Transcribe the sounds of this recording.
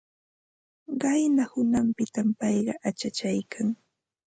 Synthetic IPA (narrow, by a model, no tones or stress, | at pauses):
ɢɑjnahʊnampɪt̪ampɑjɢɑʔat͡ʃat͡ʃajkʰaŋ